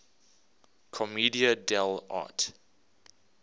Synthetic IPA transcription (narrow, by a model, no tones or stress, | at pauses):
kʰɔmidiədɛla̰t